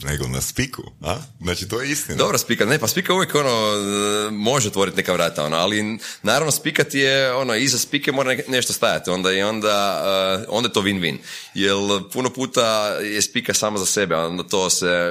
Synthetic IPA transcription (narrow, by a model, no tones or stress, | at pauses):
neɡo̰na̰spikʰṵa̰znaːt͡ʃit̪ojeist̪ind̪obɾospikat̪nepaspikauʋjeko̞no | mo̞ʒeot̪ʋo̞ɾit̪nekaʋɾaːt̪ao̞̰no̰alinaːɾaʋnospikat̪jeo̞noizaspikemo̞ːɾane̞ʃt̪ost̪aja̰t̪io̞nd̪aio̞nd̪aəo̰nd̪ajet̪oʋinʋḭnjelpunopuːt̪ajespikasaːmazasebeo̞nd̪at̪o̞ːse